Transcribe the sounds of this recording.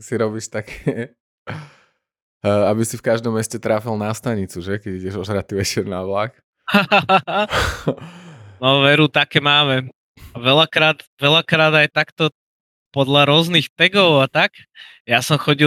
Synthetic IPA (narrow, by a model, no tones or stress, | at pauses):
siɾɔbiːʃt̪akʰɛ | abisifkaʒd̪ɔmːɛscɛt̪ɾaːfilnast̪aɲit͡suʒɛkɛɟiɟɛʒɔʒɾat̪iʋɛt͡ʃɛɾnaʋlak | haaa | nɔʋɛɾut̪akɛːmaːmɛ | aʋɛlakɾaːt̪ʋɛlakɾaːd̪ajt̪akt̪ɔ | pɔd̪laɾʊɔznixt̪ɛɡɔʊat̪ak | jasɔmxɔɟi